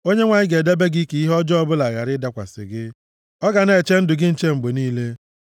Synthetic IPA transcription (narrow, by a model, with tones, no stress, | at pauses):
o˦ɲe˦ŋʷa˨ɲɪ˦ɡe˨de˦be˦ɡi˦ke˨˦i˦ɦɔ˦d͡ʒɔ˦ɔ˦bʊ˦la˨ja˨ɾɪ˦da˨kʷa̰˨sɪ̰˨ɡɪ˦ | ɔ˦ɡa˨ne˨t͡ʃe˦n̩˦dʊ˨ɡɪ˦n̩˨t͡ʃe˦ŋ͡m̩˨ɡ͡be˨niː˦le˦